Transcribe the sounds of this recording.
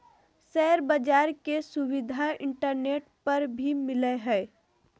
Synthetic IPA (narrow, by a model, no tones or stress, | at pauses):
sɛɦɾbəd͡ʒaːɾkesʊwɪd̪ʱaɪ̃ɳʈəɾneːʈpɐɾbʱimɪleɦɛː